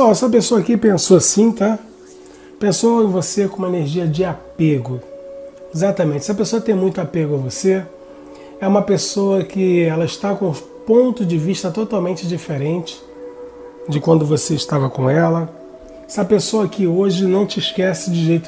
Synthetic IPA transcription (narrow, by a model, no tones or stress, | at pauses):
sɔɛsɐpesoɐakipẽsosĩt̪a | pẽsoẽvosekõũmɐeneɾʒiɐd͡ʒɪapeɡʊ | ezat̪ɐmẽt͡ʃɪsɪɐpesoɐt̪ẽj̃mũj̃t̪ʊapeɡʊɐvose | ɛũmɐpesoɐkɪɛlɐɪʃt̪akõ | põnt̪ʊd͡ʒɪviʃt̪ɐt̪ot̪awmẽnt͡ʃɪd͡ʒifeɾẽnt͡ʃɪ̥ | d͡ʒɪkwɐ̃nd̪ʊvoseɪʃt̪avɐkõɛlɐ | sɪɐpesoɐkɪoʒɪnɐ̃w̃t͡ʃɪːʃkɛsɪd͡ʒɪʒejt̪ʊ